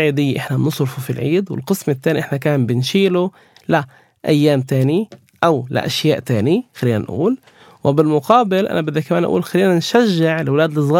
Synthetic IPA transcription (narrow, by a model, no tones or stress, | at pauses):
ʕiːd̪ɪjːaʔɪħnanʊsˤɾfufilʕiːd̪wɪ̰lqɨsmɪt̪ːaːniʔɪħnakaːmbɪnʃiːlʊ | la | ʔa̰jːaːmt̪aːni | ʔawlɪ̰ʔa̰ʃjaːʔt̪aːnixalːiːna̰nʔṵːl | wɪbɪlmʊqɑːbɪlʔa̰nabɪd̪ːakːamaːnʔaʔṵːlxalːiːnanʃaʒːɪʕlwlaːd̪lɪs̬ˤɣɑː